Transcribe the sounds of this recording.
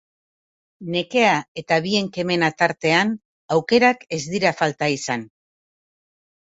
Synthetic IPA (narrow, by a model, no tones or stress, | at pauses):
ne̞ke̞ae̞t̪aβie̞ŋke̞me̞nat̪aɾt̪e̞an | awke̞ɾake̞zd̪iɾafalt̪aisan